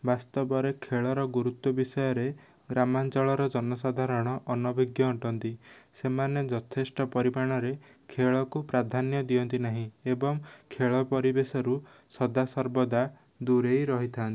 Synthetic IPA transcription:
bast̪ɔbɔɾekʰeɭɔɾɔɡuɾut̪wɔbisɔjɔɾe | ɡɾamant͡ʃɔɭɔɾɔd͡ʒɔnɔsad̪ʱaɾɔɽ̃ɔʔɔnɔbiɡjɔuʈɔnt̪isemaned͡ʒɔt̪ʰesʈɔpɔɾimaɽ̃ɔɾe | kʰeɭɔkupɾad̪ʱanjɔd̪iɔnt̪inaɦĩebɔŋkʰeɭɔpɔɾibesɔɾu | sɔd̪asɔɾbɔd̪a | d̪uɾejɾɔɦit̪ʰant̪i

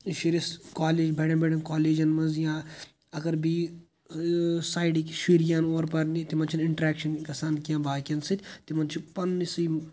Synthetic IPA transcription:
ʃiɾiskaːleːd͡ʒbʱeɽɐ̃nbʱeɽɐ̃nkaːleːd͡ʒɐnmɐzjãː | ɐɡɐɾbiː | saːjɖikʃiːɾijãːnoːɾpɐɾnit̪imɐnt͡ʃʰinɪɳʈɾɛːkʃɐnkɐsaːnkijãːbaːkʲɐnsɨt̪ʰʲt̪imɐnt͡ʃʰipɐnːisɨj

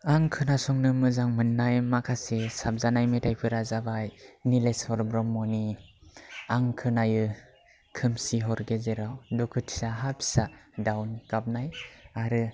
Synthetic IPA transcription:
aŋkʰɯnasɔŋnɯmɯzaŋmɯnːajmakʰasesap̚zanajmetʰajpʰɯɾazabajnileshɔɾbɾɔmːɔni | aŋkʰɯnajɯ | kʰɯmsiɦɔɾɡezeɾawdɔkʰɯtʰsaɦapsadawnkap̚najaɾɯ

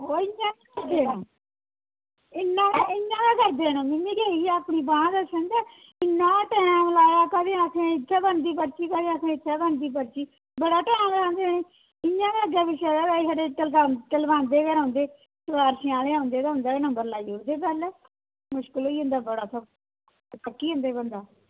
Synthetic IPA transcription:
oːɪãːakəɾd̪eːnõː | ɪnːãːɪɲãːk̪aːkəɾd̪eːñõːmɪmːĩːkeːiːɛapɳiːbãːãːd̪əsə̃nd̪aː | ɪnːãːʈɛːnãːməlaːjaːkəd̪ẽːakʰẽːɪt̪ʰːaːbənd̪iːpəɽt͡ʃiːkəd̪eːakʰẽɪt̪ʰːaːbənd̪iːbəɾt͡ʃiː | bəɽaːʈɛːãːleãːnd̪eːnẽː | ɪɲːãːd̪aːəɡjaːbɪʃaːdaːɡaːiːsaːɖeːəlaʈəlbãːnd̪eːkəɾãːnd̪eː | səʋaːɾʃɪãːleːãːnd̪eːd̪aːʊ̃ːnd̪aːnəmbəɾlaːiːɦoːd̪eːbɛl | mʊʃkəlɦoːiːɦʊ̃ːnd̪aːbəɽaːsɔ | təkːiːɦõːnd̪eːbənd̪aː

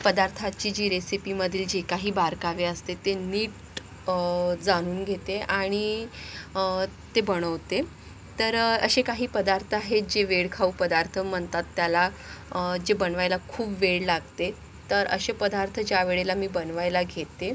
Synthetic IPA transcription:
pəd̪aɾt̪ʰat͡ɕiːd͡ʑiːɾesipiməd̪ʱiːld͡ʑekaɦiːbaɾkaʋeəst̪et̪eniːʈ | d͡zaɽ̃uːnɡʱet̪eaɽ̃i | t̪ebəɽ̃əʋt̪e | t̪əɾəɕekaɦiːpəd̪aɾt̪ʰəaɦed͡ʑeʋeɽkʰaupəd̪aɾt̪ʰəm̤əɳt̪at̪ːjala | d͡ʑebənʋajlakʰuːpʋeɭlaɡt̪e | t̪əɾəɕepəd̪aɾt̪ʰəd͡ʑjaʋeɭelamiːbənʋajlaɡʱet̪ːe

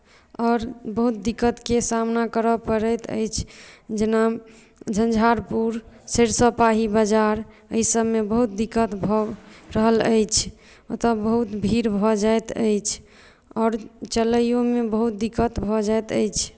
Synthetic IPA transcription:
ɔːɾbəɦut̪̚d̪ikːət̪kesamnakəɾəpəɾət̪ə̰jt͡ʃʰd͡ʒena | d͡ʒʱənd͡ʒʱaɾpuɾ | seɾsəpaɦibəd͡ʒaɾ | əisəbmebəɦut̪̚d̪ikːət̪bʱɔɾəɦələ̰jt͡ʃʰ | ot̪abəɦut̪bʱiɾbʱɔd͡ʒaet̪ə̰jt͡ʃʰ | ɔːɾt͡ʃələjjomebəɦut̪̚d̪ikət̪bʱɔd͡ʒaet̪ə̰jt͡ʃʰ

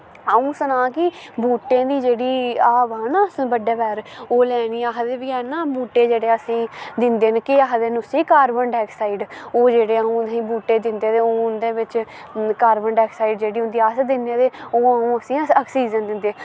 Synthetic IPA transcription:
aːũːsənaːkɪbuːʈːẽːd̪iːd͡ʒeːɽiːaːʋaːnaːsbəɖeːbɛːɾoːlɛːniːaɦd̪eːbɪɛːnaːbuːʈːeːd͡ʒeːɽeːəsĩːd̪ɪnd̪eːnkɪaɦd̪eːnʊsiːkaːɾbəɳɖɛːksaːiɖoːd͡ʒeːɽeːəũːsĩːbuːʈːeːd̪ɪnd̪eːd̪eːoːʊnd̪eːʋɪt͡ʃ | kaːɾbəɳɖɛːksaːiɖd͡ʒeːɽiːɦʊ̃nd̪iːəsd̪ɪnẽːd̪eːoːaːũːəsĩːəːksiːd͡ʒənd̪ɪnd̪eː

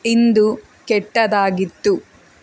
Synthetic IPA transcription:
ind̪u | kɛʈːɐd̪aːɡit̪ːu

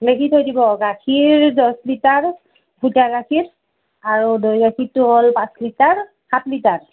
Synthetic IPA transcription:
lekʰithojdibɔɡakʰiɹdɔslitaɹ | bʱutaɡakʰiɹ | aɹudɔjɡakʰitːʊɦɔlpãslitaɹ | hatlitaɹ

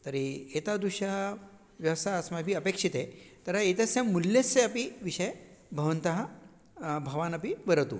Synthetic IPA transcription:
t̪ɐɾiet̪ad̪uɕa | ʋjɐʋsaːsmabʱiːəpekʂit̪et̪ɐɾaet̪esẽmuljesːeɐpiʋiʂɐjbʱɐʋɐnt̪ɐɦa | bʱɐʋanɐpiʋəɾət̪ṵ

